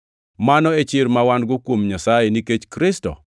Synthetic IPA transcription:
manɔet͡ʃɪɾmawanɡʊkwomɲasajeniket͡ʃkɾɪstɔ̰

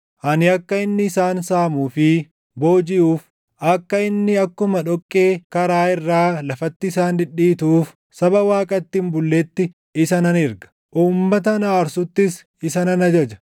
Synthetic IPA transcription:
ʔɐnɪɐkːɐɪnːɪːsaːnsaːmuːfɪ | bo̞ːd͡ʒɪʔuːf | ʔɐkːɐɪnːɪɐkːʊmɐᶑɔkʼːe̞ːkɐɾaːɪrːaːlɐfɐt̪ːɪːsaːnd̪ɪᶑːiːt̪uːf | sɐbɐwaːkʼɐt̪ːɪmbʊlːeːt̪ːɪ | ɪsɐnɐnɪɾɡɐ̥ | ʔuːmːɐt̪̬ɐnaːɾsʊt̪ːɪs | ɪsɐnɐnɐd͡ʒɐd͡ʒɐ̥

